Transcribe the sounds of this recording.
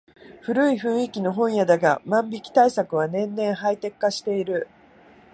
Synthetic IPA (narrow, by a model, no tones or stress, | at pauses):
ɸɯ̟ɾɯ̟iɸɯ̟̃ɰ̃ikʲino̞ɦõ̞ɰ̃jad̪aɡamãmbʲikʲi̥t̪aisakɯ̟βanẽ̞nːẽ̞ɰ̃ɦait̪e̞kːaɕi̥t̪e̞iɾɯ̟